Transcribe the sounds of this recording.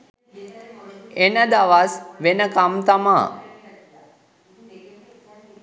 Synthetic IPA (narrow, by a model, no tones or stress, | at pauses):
enəd̪aʋasʋenəkamt̪amaː